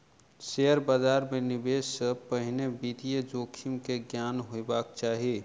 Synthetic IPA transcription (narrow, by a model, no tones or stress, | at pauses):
seəɾbad͡ʒaːɾmenibesːəpəɦinebid̪ijed͡ʒokʰimkeɡjanɦoebakt͡ʃaːɦi